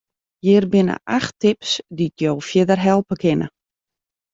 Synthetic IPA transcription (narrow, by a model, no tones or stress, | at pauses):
jɪːrbɪnə̰ʔaxtɪpsditjoːfjɪdərɦɛlˠpəkʰɪnə̰